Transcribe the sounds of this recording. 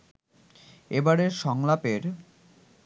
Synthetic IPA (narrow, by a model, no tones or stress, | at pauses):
ebaɾeɾʃɔŋlapeɾ